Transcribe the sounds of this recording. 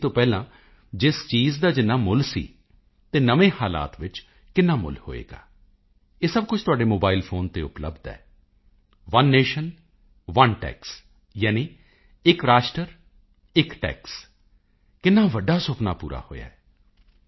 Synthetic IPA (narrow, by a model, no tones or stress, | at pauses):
t̪õːpɛːlãː | d͡ʒɪst͡ʃiːzd̪aːd͡ʒɪnːaːmʊlsḭː | t̪eːnəʋẽːhaːla̰ːt̪ʋɪt͡ʃ | kɪnːaːmʊ̰lho̰ːḛːɡa̰ː | eːsəb̚kʊt͡ʃʰt̪ʊaːɖeːmoːbaːɪlpʰoːnt̪eːʊplə̰bd̪ɛ̰ː | ʋənːeːʃən | ʋənʈɛ̰ːks | jaːniː | ɪkɾaːʃʈəɾ | ɪkʈɛ̰ːks | kɪnːãːʋəɖːaːsʊpna̰ːpṵːɾa̰ːho̰ːja̰ːɛː